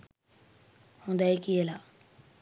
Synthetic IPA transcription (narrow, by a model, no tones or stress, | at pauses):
hũːnd̪aekielaː